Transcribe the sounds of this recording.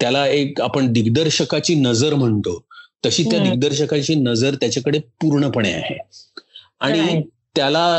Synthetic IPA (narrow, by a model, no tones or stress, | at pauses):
t̪jalaekapəɳd̪iɡd̪əɾɕəkat͡ɕiːnəd͡zəɾm̤əɳt̪ot̪əɕiːt̪jad̪iɡ̚d̪əɾɕəkat͡ɕiːnəd͡zəɾt̪jat͡ɕakəɽepuɾɳəpəɳ̃ea̰hḛ | aɽ̃it̪jala